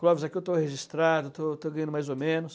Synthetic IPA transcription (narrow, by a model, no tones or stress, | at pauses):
klɔvɪzakiewt̪oheʒist̪ɾad̪ʊet̪ot̪oɡɐ̃jɐ̃d̪ʊmajzomẽnʊs